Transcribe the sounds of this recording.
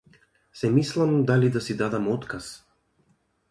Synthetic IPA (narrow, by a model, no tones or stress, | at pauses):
sɛmislˠamd̪alid̪asid̪ad̪amɔt̪kas